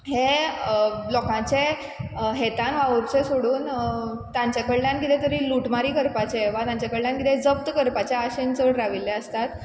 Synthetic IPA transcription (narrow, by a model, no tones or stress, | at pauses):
ɦe | lɔkãt͡ɕe | ɦet̪anʋaʋəɾt͡sesoɽuːnt̪jãɲt͡ɕjakəɭljãnkit̪et̪əɾiːluʈmaɾiːkəɾpat͡ɕeʋat̪jãɲt͡ɕjakəɭljãnkit̪ʰed͡zəp̚t̪kəɾpat͡ɕeaɕent͡səɽɾaʋiljeəst̪at̪